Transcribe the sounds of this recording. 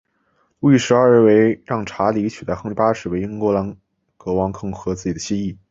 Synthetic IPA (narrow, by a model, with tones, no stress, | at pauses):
lu˥˧i˥˩ʂɻ̩˧˥a˞˥˧ə˥˩we˧˥ɪɻɑ˥˩ŋʈ͡ʂʰa˧˥li˧˥t͡ɕʰy˨˩t̪a˥xɤ˥ŋi˧˩pa˥ʂɻ̩˨˩we˧˥ɪi˥ŋkwɔ˧˥la˧˥n | kɤ˧˥wɑ˧˥ŋkʰɤ˥ŋxɤ˧˥t͡sɹ̩˥˩t͡ɕi˨˩d̪ə˦ɕi˥i˥˩